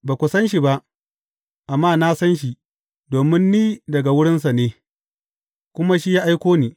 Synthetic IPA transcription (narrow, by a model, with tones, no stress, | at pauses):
baː˨kʷʊ˨sɐ˦nʃ̬i˨ba˦ʔ | ʔa˨mːaː˦na˦sɐ˦nʃ̬i˨ | doː˨mɪ˦nːiː˦dɐ˨ɡa˨wʊ˦ɽɪ˦ns̬a˨neː˦ | kʷʊ˦ma˦ʃi˦jaː˦ʔa˦jkʷoː˦niː˨